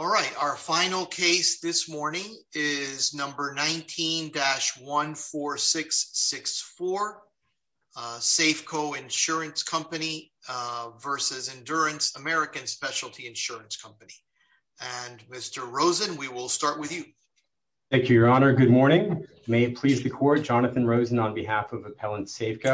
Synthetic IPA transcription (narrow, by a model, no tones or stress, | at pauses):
ɔlˠɹaɪtaʊə˞fãɪ̃nl̩ˠkʰeɪsðɪsmɔɹnɪ̃ŋɪznʌ̃mbə˞nãɪ̃ntʰĩndæʃwʌ̃nfɔɹsɪksɪksfɔɹ | seɪfkʰoʊɪ̃nʃʊɹɨ̃nskʰʌ̃mpɨni | vɜ˞sɨzɨ̃ndʊɹɨ̃nsəmɛɹɨkɨ̃nspɛʃl̩ˠtʰiɨ̃nʃʊɹɨ̃nskʰʌ̃mpɨni | ɨ̃nmɪstə˞ɹoʊzɨ̃nwiwɪlˠstɑɹʔ̚wɨðjʉ | θæ̃ŋkjʉjə˞ɑnə˞ɡʊd̚mɔɹɾ̃nɪ̃ŋ | meɪɨt̚pʰl̥izðɨkʰɔɹt̚d̥ʒ̥ɑnɨθɨ̃nɹoʊzɨ̃nə̃nbɨɦæfʌvɨpʰɛlˠə̃ntseɪfkʰoʊ